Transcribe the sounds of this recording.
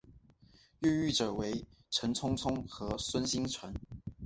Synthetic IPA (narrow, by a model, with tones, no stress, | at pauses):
y˥˧y˥˩ʈ͡ʂɤ˨˩we˧˥ɪʈ͡ʂʰə˧˥nt͡sʰʊ˥ŋt͡sʰʊ˥ŋxɤ˧˥swə˥nɕi˥ŋt͡sʰwa˧˥˦n